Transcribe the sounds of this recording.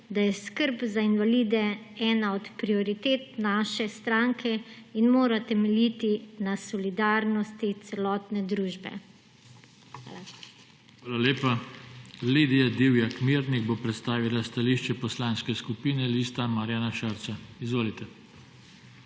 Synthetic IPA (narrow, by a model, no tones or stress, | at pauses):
d̪ajɛskəɾpzainʋaliːd̪ɛɛːnaɔt̪pɾiɔɾit̪eːt̪naʃɛst̪ɾaŋkʰɛinmoːɾat̪ɛmɛljit̪inasɔlid̪aːɾnɔst̪it̪sɛlɔːt̪nɛd̪ɾuːʒbɛ̰ | xa̰ːla | ʋaːlaleːpa | lid̪ijad̪iwjakmiɾniɣbopɾɛt̪st̪aːʋilast̪aliːʃt͡ʃɛpɔslanskɛskupiːnɛliːst̪amaɾjaːnaʃaɾt̪saizʋoːlit̪ɛ